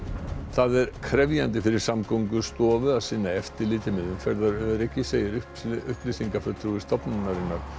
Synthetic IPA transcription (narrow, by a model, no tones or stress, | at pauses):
θaðɛɾ̥kʰɾɛvjant̪̬ɪfɪɾɪɾ̥samkowŋkʏst̪ɔːvʏaðsiːnːaɛft̪ɪliːt̪ɪmɪðʏmfɛɾðaɾœɾɛcːɪseːjɪɾʏ | ʏhplisiŋkafœt̪ʰɾuɪst̪ɔpnanaɾɪnːaɾ̥